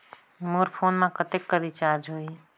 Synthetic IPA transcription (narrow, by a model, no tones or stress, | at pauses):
moɾpʰonmãkət̪ekːəɾit͡ʃaɾd͡ʒɦoi